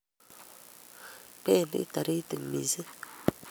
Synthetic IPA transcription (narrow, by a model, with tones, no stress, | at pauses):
pɛ˦˨nə̰˦ta˨ɾi˦tə˨ŋ˨mḭ˨zə˦